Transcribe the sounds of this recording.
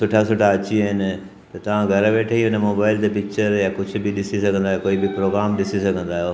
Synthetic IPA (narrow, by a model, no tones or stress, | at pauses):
sʊʈʰasʊʈʰaɐt͡ɕiəɦɪnɪ̆ | t̪ɐt̪ɐʋ̤ãɡʱɐɾʋeːʈʰəiɦʊnəmoːbaːɪlt̪epɪkt͡ʃəɾjakʊd͡ʑʱʊ̆bɪɗɪsisɐɡʱə̃nd̪aːjokoːibɪpɾoːɡɾaːmɗɪsisɐɡʱə̃nd̪aːijoː